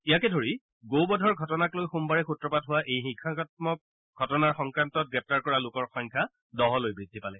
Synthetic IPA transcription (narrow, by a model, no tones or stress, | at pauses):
ijakɛdʱoɹi | ɡowbɔdʱɔɹɡʱɔtɔnaklojxumbaɹɛxutɹɔpatɦʊwaʔejxikʰːakɔt̚mɔk̚ | ɡʱɔtɔnaɹxɔŋkɹantɔt̚ɡɹɛp̚taɹkɔɹalʊkɔɹxɔjŋkʰa | dɔɦɔlojbɹidʱːipalɛ